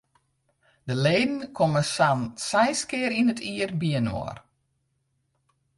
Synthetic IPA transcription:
dəleːdən̩kʰɔməsansɛjskɪːɾinətʰiərbiəno̰ər

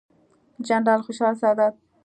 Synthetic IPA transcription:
d͡ʒanɾɑlxʊʃɑlsad̪ad̪̚

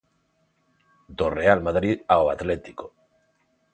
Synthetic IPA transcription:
d̪orealmaðɾiðaoat̪let̪iko

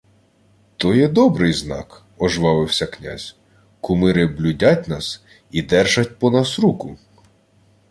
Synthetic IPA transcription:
t̪ɔjɛd̪ɔbɾɪjznɑ̰k | ɔʒʋɑʋɪwsʲɐknʲa̰zʲ | kʊmɪɾɪblʲʊdʲatʲnɑs | id̪ɛrʒɐt̚ʲpɔnɑsɾukʊ

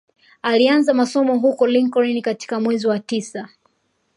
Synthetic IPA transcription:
alianzamasɔmɔɦukɔliŋkɔɹinikati̥kamwɛziwatisa

